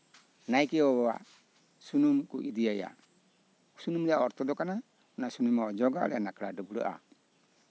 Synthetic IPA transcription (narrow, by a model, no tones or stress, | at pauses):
naikiɔwɔwa̰ | sunumkuʔidiaja̰ | ku̥sunumdaɔɾt̪ɔdɔkana | unasunumɔd͡ʒɔɡa̰lɛnakɾadɔbuɾə̰ʔa̰